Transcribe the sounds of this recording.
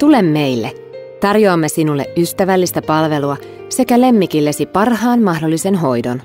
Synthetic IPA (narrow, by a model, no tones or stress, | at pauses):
t̪ule̞mːe̞jlːe | t̪ɑrjoɑmːesinulːe̞̰ʔʔyst̪æʋælːist̪æpɑlʋe̞luɑ | se̞kæle̞mːik̟ilːe̞sipɑrɦɑːnmɑhdo̞lːise̞nɦo̞jdo̞̰n